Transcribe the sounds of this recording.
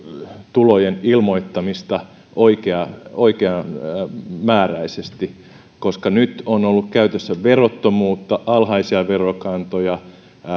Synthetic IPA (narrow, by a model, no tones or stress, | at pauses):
t̪ulojenilmoit̪ːɑmist̪ɑ | ʔoikeɑoikeɑ | mæːræisest̪i | koskɑnyt̪onolːukkæyt̪øsːæʋerot̪ːomuːt̪ːɑʔɑlhɑisiɑʋerokɑnt̪ojɑ